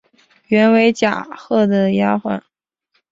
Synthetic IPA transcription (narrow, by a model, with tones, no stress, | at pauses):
ɥɛ˧˥nwe˧˥ɪt͡ɕja̰˨˩xɤ˥˩d̪ə˩ja˥xwa̰˥˩n